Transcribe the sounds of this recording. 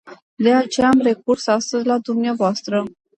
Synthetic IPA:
d̪e̞at͡ʃe̞jaːmre̞kursast̪əzʲlad̪umneavoast̪ɾə

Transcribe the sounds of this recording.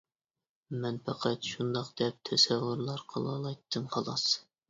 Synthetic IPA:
mɛnpɛqʰæt̪ʃund̪ɑqd̪ɛp̚t̪ʰɛsɛvuɾlˠɑɾqʰɑ̰lˠɑ̰lˠɑjt̪ʰːɨmχɑlˠɑs

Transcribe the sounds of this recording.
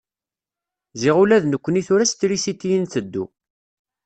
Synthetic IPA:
zɪʁulæðnəkʷːəniθʊɾæst̪ɾisit̪ːijənθəd̪ːṵ

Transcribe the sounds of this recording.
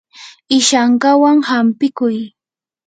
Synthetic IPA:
ɪʃaɴkawaŋhampɪkʊj

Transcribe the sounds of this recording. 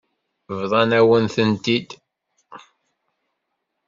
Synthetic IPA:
vðˤɑnæwənθənt̪id̪

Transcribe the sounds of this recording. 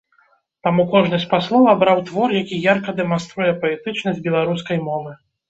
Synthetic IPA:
t̪amukɔʐnɨsʲtʲpaslˠɔvɐbɾawt̪vɔrjakʲijarkɐd̪ɛmanst̪ɾujɛpɐɛt̪ɨt͡ʂnɐzʲbʲɛlˠaɾus̬kɐjmɔvɨ

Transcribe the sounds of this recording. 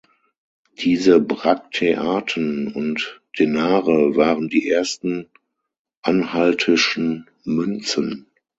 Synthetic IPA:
d̥iːzəbʁaktʰeʔaːtʰənʊntd̥enaːʁəvaːʁəndiːʔeːɐstn̩ | ʔanhaltʰɪʃn̩ | mʏnt͡sən

